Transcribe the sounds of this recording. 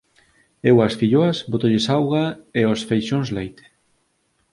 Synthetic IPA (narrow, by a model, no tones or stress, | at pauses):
ewɐsfiʎoasbot̪oʎesawɣaeosfejʃõnzlejt̪